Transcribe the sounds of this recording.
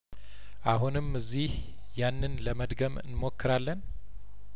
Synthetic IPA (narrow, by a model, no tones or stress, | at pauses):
ʔaɦunɨmɨzːih | janːɨnləməd̪ɡəmɨ̰nmokːɨɾalːən